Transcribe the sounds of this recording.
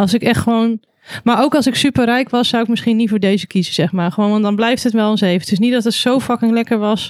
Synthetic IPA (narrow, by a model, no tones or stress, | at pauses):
ɑlˠsɪkɛχtχəʋown | maːɹowkɑlˠsɪksypərɛjkʋɑsːawɪk̚mɪsχinitfoːɹdejzəkizəz̥ɛχmaːɹχəʋownʋɑndɑnblɛjftɦətmɛlˠɔnsejvətʰʏs̬nitdɔtətsowfakɪŋlɛkəɹʋɑs